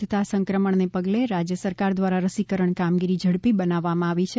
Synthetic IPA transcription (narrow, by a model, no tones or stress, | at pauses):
t̪asəŋkɾəməɳnepəɡleɾad͡ʒjəsəɾkaɾd̪ʋaɾaɾəsikəɾəɳkamɡiɾid͡ʒʱəɽpibənaʋːamãaʋit͡ʃʰe